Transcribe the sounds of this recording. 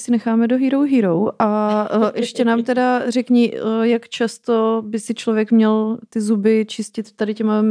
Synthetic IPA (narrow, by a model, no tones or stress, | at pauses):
sɪnɛxaːmɛdoɦiːɾowɦiːɾowʔaʔɛʃcɛnaːmt̪ɛdarɛkɲijakt͡ʃast̪obɪsɪt͡ʃlovjɛkmɲɛlt̪ɪzubɪt͡ʃɪscɪt̪ːadɪcɛma